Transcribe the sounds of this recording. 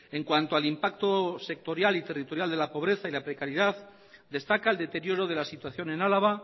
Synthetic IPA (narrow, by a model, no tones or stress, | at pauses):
e̞ŋkwant̪oalimpak̚t̪ose̞k̚t̪o̞ɾjalit̪e̞rit̪o̞ɾjald̪e̞lapo̞β̞ɾe̞θailapɾe̞kaɾjeðað | d̪e̞st̪akaeld̪e̞t̪e̞ɾjo̞ɾoð̞e̞lasit̪waθjo̞ne̞nalaβ̞a